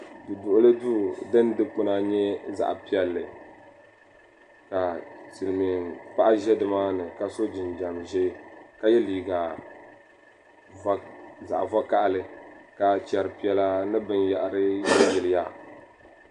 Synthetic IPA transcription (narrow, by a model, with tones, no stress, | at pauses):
dɨ˨dʊ˨ʔʊ˦lɨ˦du˦dɨ˦ndɨ˦k͡pɨ˦na˦ɲɛ˦za̰˨ʔpi˦ɛ˨lːɨ̰˨ | ka˨sɨ˨lɨ˨mi˨pa˦ʔa˦ʒɛ˦dɨ˦ma˦nɨ˨ka˨so˦d͡ʒɪ˨nd͡ʒa˨mʒɛ˦ka˦jɛ˦liː˨ɡa˨˦ | za̰˨ʔva˦ka˦ʔlɨ˦ka˨t͡ʃɛ˨ɾɨ˨pi˦ɛ˦la˦nɨ˦bɨ˦nja˨ʔɾɨ˦ɛ˦bɪ˨lɪ˦ja˦